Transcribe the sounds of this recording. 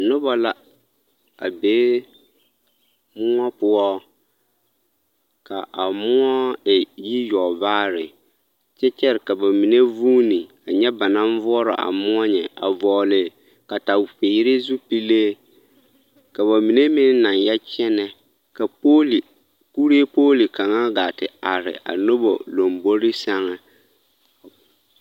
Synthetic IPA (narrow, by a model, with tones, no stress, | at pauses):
nʊ˦bɔ˨la˦ | a̰˨beː˨˦ | mʊ˦ŋɔ˦pʊ˦ɔ˦ | ka˨ʔa˨mʊ˦ɔ˦ɛ˨ji˦jɔ˨vaː˦ɾɪ˨ | t͡ʃɛ˦t͡ʃɛ˦ɾɪ˨ka˨ba˨mi˨ne˦vu˦ni˨ | a˨ɲɛ˦ba˨nã˦ɱ˦vʊ˦ɔ˦ɾɔ̰˨ʔa̰˨mʊ˦ɔ˦ɲɛ˨a̰˨vɔː˨lɪ˨ | ka˨ta˨pe˨˦ɾɪ˦zu˦pi˦leː˦ | ka˨βa˨mi˨ne˦mɪ˦n˦na˨njɛ˦t͡ʃɛ˦nɛ˦ | ka˨o˦˨ | ku˦ɾe˦poː˦li˨ka˨ŋa˦ɡaː˨tɪ˨a˨ɾɪ̰˨ʔa̰˨no˦bo̰˨lo˨mbo˦ɾi˦sa˦ŋɛ˨